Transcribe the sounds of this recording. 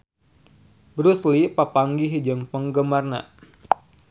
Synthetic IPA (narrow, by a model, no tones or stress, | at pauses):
bɾuslipapaŋɡiɦid͡ʒəŋpəŋɡəmarna̰